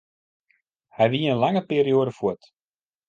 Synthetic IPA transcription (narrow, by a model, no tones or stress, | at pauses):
hɛjʋiəənlaŋəpeːɾioːdəfut